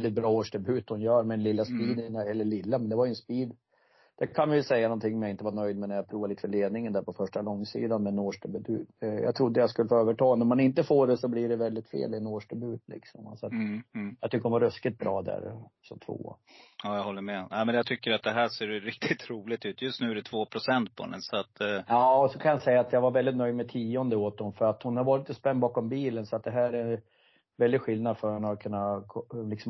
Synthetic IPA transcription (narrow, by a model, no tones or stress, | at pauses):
ld̪ɪt̪̚bɾɑːoːʂɖɛbʉːt̪hʊnjœːɾmɛɛnlɪlːaspiːd̪nɛlːəɭɪlːamɛnd̪ɛvaɾjʏɵənspiːd̪ | d̪̥ɛkʰanmajʉsɛjːanɔnt̪ʰɪŋːɔmjaɪnt̪əvaɳœjd̪̚mɛnæɾjapʰɾuːvaliːt̪əfœɭeːd̪nɪŋənd̪æɾpʰɔfœʂʈalɔŋːsḭːd̪anmɛnoːʂɖɛbʉd̪ʉ̰ːt̪ja̰t̪ʰɾʊd̪ːəjaskɵlːəfoːøːvəʈʰɑːnæɾmanɪnt̪əfoːɖɛsɔbliɖɛvɛld̪ɪt̪fḛːlɪɛnoːʂɖɛbʉːt̪ʰlɪ̰ksɔma̰sɔat̪ːjɑɡt̪ʏkːəɾɔnvaɾœskɪt̪̚bɾɑːd̪æ̰ɾsɔmt̪ʰvo̰ː | ɑːjahɔlːəɾmɛæmɛnjat̪ʰʏkːəɾat̪̚d̪ɛɦæʂeːɾɾɪk̚t̪ʰɪt̪ɾuːlɪt̪ʉːt̪ʰjɵst̪nʉ̟ːæɾɛt̪ʰvoːpʰɾʊsɛnt̪̚pʰɔhɛ̰nɛ̰sɔat̪ɑːɔsɔkʰanjasɛjːaːt̪jaɡvaɾvɛlɪt̪nœjd̪mɛt̪ʰiːɔnd̪əoːt̪̚d̪ɔmfœɾat̪hʊnhaɾvɑːɾɪt̪ɔspɛnːbɑːkɔmbiːlənsɔat̪̚d̪ɛɦæːɾɛ | vɛld̪ɪɧɪld̪nad̪fœɾnakʰɵnːakʰɔlɪksɔ